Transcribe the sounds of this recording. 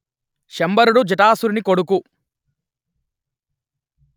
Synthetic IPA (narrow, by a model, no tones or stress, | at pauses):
ʃɐmbɐɾuɽud͡ʒiʈaːsuɾinikoɽuku